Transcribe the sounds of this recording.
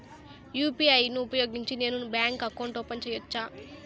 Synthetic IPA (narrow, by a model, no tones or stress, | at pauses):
juːpiɐjnuːpɐjo̞ːɡiɲt͡ʃine̞ːnubjaːŋkɐkːɐwɳʈoːpɐɲt͡ʃɛjʋɐt͡ʃːaː